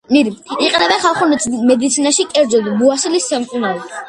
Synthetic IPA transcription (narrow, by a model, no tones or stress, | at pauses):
miɾiiqʼnɛbɛχalˠχunmɛd̪it̪sʰinaʃikʼɛɾd̪zɔd̪buasilist̪ːɛmkʼunaɾi